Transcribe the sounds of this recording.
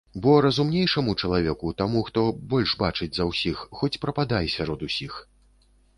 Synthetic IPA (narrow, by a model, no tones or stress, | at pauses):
bɔɾɐzumnʲejʂɐmut͡ʂɐlˠavʲɛkut̪amuxt̪ɔbɔlʲʂbat͡ʂɨd͡zʲzɐwsʲixːɔt͡sʲpɾɐpad̪ajsʲaɾɔd̪usʲix